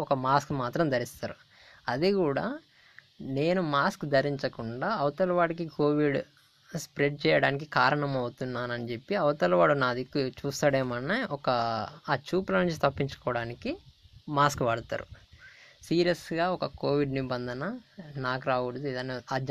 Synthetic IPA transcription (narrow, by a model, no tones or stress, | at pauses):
ɔkɐmaːskmaːt̪ɾɐmd̪ɐɾist̪aːɾu | ɐd̪ikuːɽaː | ne̞ːnumaːskd̪ʱɐɾiɲt͡ʃɐkuɳɖaːɐwt̪ɐlɐʋaːɽɐk̬ikoːʋiɖ | spɾe̞ɖ̚t͡ʃɛːjɐɽaːnik̬ikaːɾɐɳɐmɐwut̪unːaːnɐnit͡ʃe̞pːiɐwt̪ɐlɐʋaːɽunaːd̪ikːut͡ʃuːst̪aːɽeːmɐnːeɔkɐaːt͡ʃuːplɐnuɲt͡ʃi̥t̪ɐpːiɲt͡ʃu̥kɔːɐɽaːnikimaːskʋaːɽut̪a̰ːɾṵ | siːɾijɐsɡaːɔkɐko̞ːʋiɖnibɐnd̪ʱɐnɐnaːkuɾaːɡuɽɐd̪uid̪ɐnːiɐd͡ʒ